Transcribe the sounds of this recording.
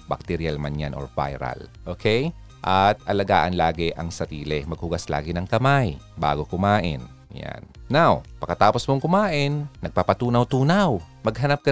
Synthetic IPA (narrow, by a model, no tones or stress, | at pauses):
bɐ̰k̚t̪ɛɾjalmanjanʔo̰ɹva̰jɾa̰lʔokʰɛj | ʔɐt̪̚ʔɐlɐɡa̰ːʔɐnlaːɡɛʔɐŋsɐɾiːlɛmɐɡ̚hʊɡasla̰ːɡɪnɐŋkɐmajba̰ːɡo̞kʊmaːʔɪ̰n | ja̰nːawpɐɡ̚kːɐt̪aːposmoŋkʊmaːʔɪnːɐɡ̚papɐt̪uːnɐwt̪uːnawmɐɡ̚ɦɐnap̚kɐ